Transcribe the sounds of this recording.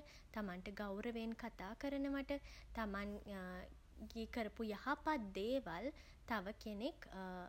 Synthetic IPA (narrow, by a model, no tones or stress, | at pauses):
t̪amanʈəɡawɾəʋenkat̪aːkəɾənəʋaʈət̪aman | ɡiəkəɾəpujahapat̪̚d̪eːʋal | t̪aʋəkenek